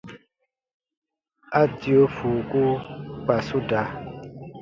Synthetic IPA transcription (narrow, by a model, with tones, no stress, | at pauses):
a˦tjo˦fu˨ku˦pa˨su˦da˨˦